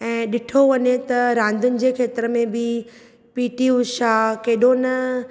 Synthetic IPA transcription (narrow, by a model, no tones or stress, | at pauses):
ɛ̃ːɗɪʈʰoʋɐɲet̪ɐɾãːn̆d̪ʱʊnɪ̆d͡ʑeːkʰeːt̪ɪɾəmẽbɪ | piːʈiuʃaːkɐɦɪɗonɐ